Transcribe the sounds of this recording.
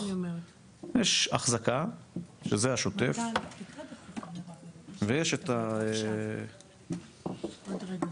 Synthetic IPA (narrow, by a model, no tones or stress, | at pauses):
jeʃa̰χzakaʃezeaʃo̞t̪ef | vejeʃet̪ae